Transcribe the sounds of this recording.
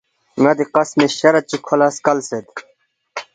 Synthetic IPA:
ŋɐd̪iqɐsmeɕɐɾɐt͡ɕikʰolaskɐlsed̪

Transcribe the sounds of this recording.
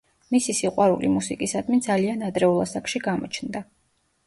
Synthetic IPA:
misisiqʼwaɾṵlimusikʼisad̪mind̪zalianad̪ɾɛulˠasakʃiɡamɔ̰t͡ʃʰnd̪a

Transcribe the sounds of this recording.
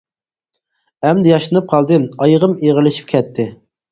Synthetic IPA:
ɛmd̪ɪjɑʃɨnɨp̚qʰɑlˠd̪ɨmɑjəʁəmeʁəlˠɪʃi̥p̚kʲʰɛt̪ʰːɪ

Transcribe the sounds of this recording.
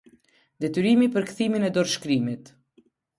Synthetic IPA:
d̪ɛt̪yɾimipəɾkθiminɛd̪ɔɾʃkɾimit̪

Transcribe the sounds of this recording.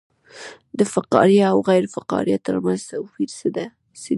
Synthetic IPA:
d̪əfaqɑ̰ɾjaawɣajɾfaqɑ̰ɾijat̪ə̰ɾmanz̥t̪afiɾsəd̪a | se

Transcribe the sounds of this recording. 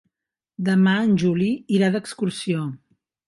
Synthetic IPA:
d̪əmaənʲʒuliiɾaðəkskursio

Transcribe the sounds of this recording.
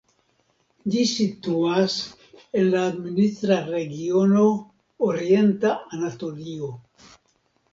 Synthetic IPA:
d͡ʒisituas | e̞nlaːdminist̪ɾaɾe̞ɡio̞no̞ | oɾie̞ntaanato̞lio

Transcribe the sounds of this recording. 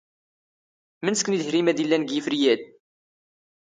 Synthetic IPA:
mənskːniðhɾimæðilːænɡjəfɾijæd̪

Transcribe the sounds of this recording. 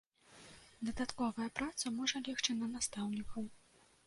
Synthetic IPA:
d̪ɐd̪at̪kɔvɐjɐpɾat̪sɐmɔʐɐlʲɛxt͡ʂɨnɐnast̪awnʲikʰɐw

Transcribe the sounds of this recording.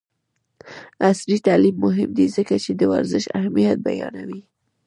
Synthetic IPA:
asɾit̪alimːʊɦɪmd̪izəkat͡ʃed̪əwa̰ɾzəʃa̰hmijat̪̚ba̰jɑ̰nawi

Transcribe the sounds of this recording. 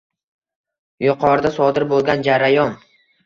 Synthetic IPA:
jʊqʰɒɾd̪asɒd̪ɪɾbolˠɡʲand͡ʒaɾajɒn

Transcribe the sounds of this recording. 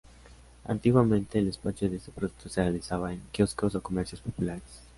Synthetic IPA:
a̰nt̪iɣwamẽnt̪e̞ːlespasjoðeest̪epɾoðu̥k̚t̪oserealisaβaeŋkjoskosoko̞meɾsjospo̞pulaɾes

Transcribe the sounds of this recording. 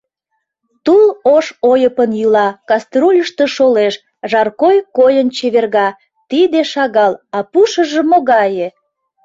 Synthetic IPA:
t̪uloʃojəpənjylɑkɑst̪rulʲəʃt̪e̽ʃoleʃ | ʒɑrkojkojənt͡ɕeβerɣɑ | t̪id̪eʃɑɣɑlɑpuʃəʒə̆moɣɑje

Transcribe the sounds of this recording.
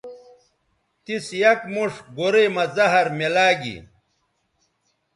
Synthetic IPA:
t̪isjɐkmuʂɡoɾeːmɐzɐɦɐɾmelaːɡḭ

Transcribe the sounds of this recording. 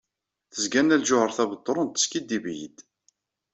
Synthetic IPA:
θəzɡænːælʒʊhəɾθæbət̪ˤːoɾˤənt̪ːə̥skid̪ːibjḭd̪

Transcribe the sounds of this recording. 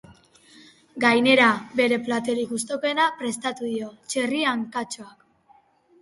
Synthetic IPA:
ɡajne̞ɾabe̞ɾe̞plat̪e̞ɾiɣus̬t̪o̞koenapɾe̞st̪at̪uðio̞t͡ʃe̞riaŋkat͡ʃoak

